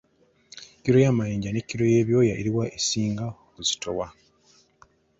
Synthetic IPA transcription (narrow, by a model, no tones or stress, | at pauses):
kiɾo̞jaːmajeːɲɟanekːiɾo̞je̞ːβjo̞ːjaeɾiwaʔesiːŋɡaokuzi̥tʰowa